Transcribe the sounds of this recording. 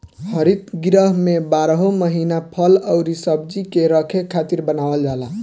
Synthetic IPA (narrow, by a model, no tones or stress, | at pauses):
hʌɾit̪ɡɾəɦmebaɾɦoməɦinapʰʌləwɾisʌbd͡ʒikeɾəkʰekʰːat̪iɾbənawəld͡ʒala